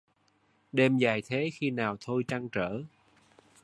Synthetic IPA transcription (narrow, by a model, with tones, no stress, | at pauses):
ɗe˧mza˨˩jt̪ʰe˨˦xi˧naː˨˩wt̪ʰo˧jt͡ɕa˧ŋt͡ɕəː˧˩˨